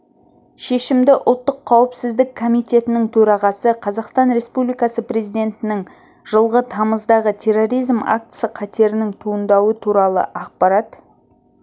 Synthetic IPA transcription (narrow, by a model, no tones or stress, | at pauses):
ʃe̞ʃɪmd̪ɪʔʊlˠt̪ːəqʰːɑwəpsɪzd̪ɪk̚kʰːomijt̪e̞t̪ɪnɪŋt̪ʰɵɾɑʁɑsəqʰɑzɑqst̪ɑnɾe̞spublijkɑsəpre̞zijd̪e̞nt̪ɪnɪŋ | ʒ̥əlˠʁət̪ʰɑməzd̪ɑʁət̪ʲʰe̞rːo̞ɾijzma̰k̚t̪səqʰɑt̪e̞ɾɪnɪŋt̪ʰuənd̪ɑwət̪ʰuɾɑlˠə̰ʔɑq̚pɑɾɑt̪